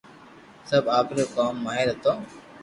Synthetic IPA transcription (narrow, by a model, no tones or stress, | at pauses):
səbʱaːkʰɾoːkaːmːaːɦeɾɦət̪oː